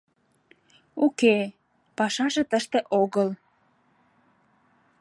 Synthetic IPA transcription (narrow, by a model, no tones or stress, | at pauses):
uke | pɑʃɑʒĕt̪əʃt̪ĕʔoɣəl